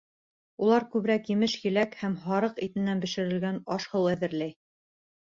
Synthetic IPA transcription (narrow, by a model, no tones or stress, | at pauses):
ulˠɑɾkʉβɾækjɘ̆mɘʃjɘ̆lækhæmɦɑɾɤqit̪ɘ̆nːænbɘ̆ʃɘ̆ɾɘ̆lɡænɑʃhɤwæðɘ̆ɾlæj